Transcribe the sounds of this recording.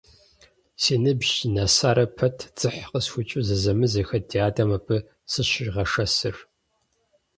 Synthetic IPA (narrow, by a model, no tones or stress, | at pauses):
seːnɨbʒinasaːɾɐpʰɐtʰt͡sʼɨħqəsxʷʊt͡ʃʼɨzɨzɐmɨzɐxɐtʰiaːdɐmɐpʰʼɨ | sɨɕɪʒʁɐʂɐsɨr